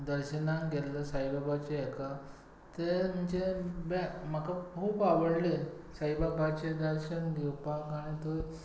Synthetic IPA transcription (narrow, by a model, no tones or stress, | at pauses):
d̪əɾɕənãŋɡɛlləsajbabat͡ɕeɛka | t̪em̤ənd͡ʑebemakakʰuːpaʋəɽle | saibabat͡ɕed̪əɾɕənɡewpakaɽ̃it̪o